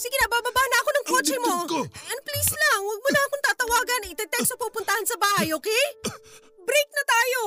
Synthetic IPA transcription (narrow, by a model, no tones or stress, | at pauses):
siɡɪnɐbaːbɐbahnɐɐko̞nɐŋkot͡ʃɛmo̞ʔɐnplislaŋwɐɡ̚mʊnɐɐkoŋt̪aːt̪ɐwaːɡɐnɐɪt̪ɛt̪ɛksopupʊnt̪ɐhansɐbaːhɐjokɛ | bɾɛjk̚nɐt̪aːjo̞